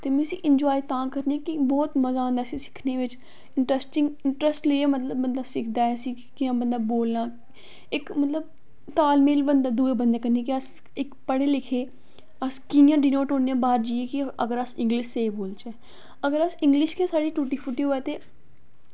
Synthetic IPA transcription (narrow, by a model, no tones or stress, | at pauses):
t̪eːmẽsiːʔɪɲd͡ʒɔːit̪ãːkəɾniẽːkɪbɔːt̪məzãːnd̪aːsĩːsɪ̥kʰneːʋɪt͡ʃ | ɪɳʈɾəsʈɪ̃ŋɡɪɳʈɾəsʈleeːmət̪ləbːənd̪aːsɪkʰd̪aːɛsiːkɪjãːbənd̪aːboːlnaː | ɪkmət̪ləb̚ | t̪aːlmeːlbənd̪aːd̪uːeːbənd̪eːkəɾniẽːkiəs | ɪkpəɽeːlɪkʰeː | əskɪnjãːɖiːnoːʈoːneãːbaːɾd͡ʒiːeːkɪəɡəɾəsɪ̃ŋɡlɪʃseːiboːlt͡ʃɛː | əɡəɾəsɪ̃ŋɡlɪʃkẽːsaːɽiːʈuːʈiːpʰʊʈiːoːɛːt̪eː